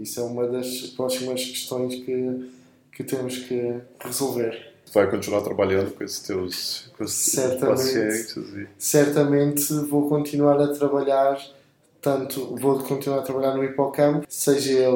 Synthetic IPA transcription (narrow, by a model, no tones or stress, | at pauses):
iswɛumɐðɐʃpɾɔsimɐʃkɨ̥ʃt̪õj̃ʃkɨ | kɨt̪emuʃkɨʁɨzolˠveɾ | vajkõnt̪inwaɾt̪ɾɐβɐʎɐ̃nd̪ukõesʃt̪ewʃkõessɛɾt̪ɐet̪zisɛɾt̪ɐmẽnt̪vokõnt̪inwaɾɐt̪ɾɐβɐʎaɾ | t̪ɐ̃nt̪uvokʰõnt̪inwaɾɐt̪ɾɐβɐʎaɾnuipɔkɐ̃mpu̥sɛʒɐe